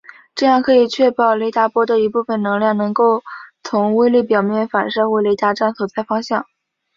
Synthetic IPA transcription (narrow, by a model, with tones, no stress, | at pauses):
ʈ͡ʂɤ˥˧jɑ˥˩ŋkʰɤ˧˥i˨˩t͡ɕʰɥɛ˥˧pɑ˥˩ʊle˧˥ɪt̪a˧˥˩pwɔ˥d̪ə˨i˧˥pu˥˩fə˨˩nnɤ˧˥ŋljɑ˥˩ŋnɤ˧˥ŋko˥˩ʊt̪ʰʊ˧˥ŋwe˥ɪli˥˩pjɑ˨˩ʊmjɛ˥˩nfa˨˩nʂɤ˥˧we˥˩le˧˥ɪt̪a˥ʈ͡ʂa˥˩nt̪ʰo˨˩t͡sa˥˩ɪfɑ˥ŋɕjɑ˥˩ŋ